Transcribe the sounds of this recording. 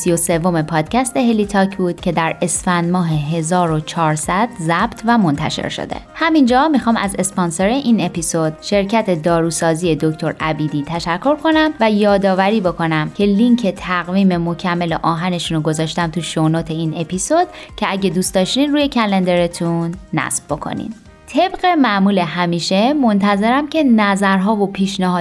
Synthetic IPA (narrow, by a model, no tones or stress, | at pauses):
sijo̞se̞vːo̞me̞pʰɒːd̪̥cʰæst̪e̞ɦe̞lit̪ʰɒːcʰbuːd̪̥cʰe̞d̪æɾe̞sfænd̪mɒːɦeɦe̞zɒːɾo̞t͡ʃʰɒːɾsæd̪̥zæb̥t̪ʰvæmo̞nt̪ʰæ̰ʃḛɾʃo̰d̪e̞̰hæmind͡ʒɒːmixɒːmʔæ̰ze̞spɑnseɾeʔine̞pisod̪̥ʃe̞ɾcʰæt̪ʰe̞d̪ɒːɾuːsɒːziːe̞d̪o̞ct̪ʰo̞ɾæbiːd̪iːt̪ʰæʃækʰːo̞ɾkʰo̞næmvæjɒːd̪ɒːvæɾiːbo̞kʰo̞næmcʲʰe̞liŋcʰet̪ʰæɣviːme̞mo̞cʰæmːe̞lḛʔɒːɦæne̞ʃunoɡo̞zɒːʃt̪æmt̪ʰuʃonot̪ʰe̞ine̞pʰisod̪̥cʰe̞æɟe̞d̪uːst̪ɒːʃt̪iːnɾuːje̞cʰæle̞nd̪e̞ɾe̞t̪ʰunːæ̰sb̥bo̞kʰo̰nḭn | t̪ʰe̞bɢemæmuːle̞ɦæmiːʃemo̞nt̪ʰæze̞ɾæmcʰe̞næzæɾɦɒːvo̞pʰiːʃnæɦɒː